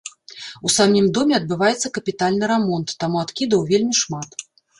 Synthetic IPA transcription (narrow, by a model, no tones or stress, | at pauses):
usamʲimd̪ɔmʲɛɐd̪̚bɨvajɛt̪sːɐkɐpʲit̪alʲnɨɾɛmɔnt̪ːamuat̪kʲid̪ɐwvʲelʲmʲiʂmat̪